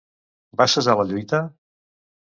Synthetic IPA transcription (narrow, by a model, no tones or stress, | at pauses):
basəzaləʎujt̪ə